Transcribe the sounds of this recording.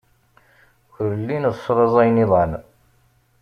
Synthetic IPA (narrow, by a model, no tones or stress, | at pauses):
çʊɾəlːinsːɾˤɑzˤæjniðˤɑn